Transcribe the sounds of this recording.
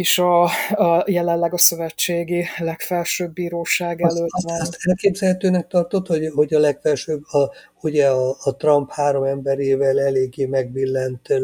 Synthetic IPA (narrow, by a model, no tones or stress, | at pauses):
eʃɒ | jɛlɛllːɛɡɒsø̞vɛt͡ʃːeːɡilɛkfɛlʃøːbːiːɾoːʃaːɡɛløːt̪ɛat̪ɛlkeːbzɛlhɛt̪øːnɛk̚t̪ɒrt̪o̞t̪hoɟɦo̞ɟɒlɛkfɛlʃøbːɒ | uɟɛɒːt̪rɒmphaːɾo̞mɛmbɛɾeːvɛlɛleːɡːeːmɛɡʋilːɛnt̪